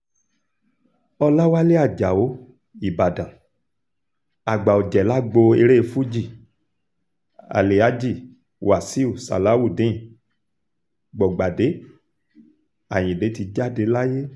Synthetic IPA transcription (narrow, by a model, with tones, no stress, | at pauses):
ɔ˧la˦wa˦le˦a˦˨d͡ʒa˨o˨˦ | i˨ba˨dã˨ | a˨ɡ͡ba˨o˨d͡ʒɛ˨la˦ɡ͡bo˧e˧ɾe˦˧˨fu˦d͡ʒi˦˨ | a̰˨le˨a˨˦d͡ʒi˦˨ | wʔa˨si˦u˦˨sa̰˨la˨˦wu˦˨dẽ˨˦ĩ˨ | ɡ͡bɔ˨ɡ͡ba˨de˨˦ | a˨j̃ĩ˨de˨˦ti˧d͡ʒa˦˨de˨˦la˦je˦